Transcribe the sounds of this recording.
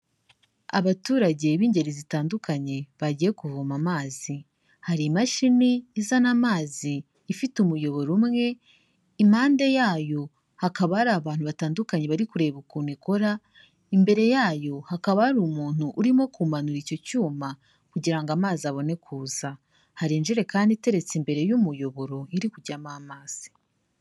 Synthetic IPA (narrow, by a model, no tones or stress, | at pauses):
a̰βatuːɾaɟe̞iβiːɲɟe̞ɾizitaːndukaɲe̞βaɟije̞kuvumamaːzi | haɾimaʃiniːzanamaːziː | fitumujo̞βo̞ɾumŋe̞ | im̥haːnde̞jaːjo̞ | hakaβahaɾaːβaːn̥huβataːndukaɲe̞βaɾikuɾe̞βukunikoɾa | imbe̞ɾe̞jaːjo̞hakaβahaɾuːmuːn̥huʔuɾimo̞kumanuɾico̞cuːma | kuɟiɾaŋɡamaːziaβo̞ne̞kʰuːza | haɾiːnd͡ʒiɾe̞kaːndite̞ɾe̞t͡simbe̞ɾe̞jumujo̞βo̞ɾo̞iɾikuɟamamaːz̥i̥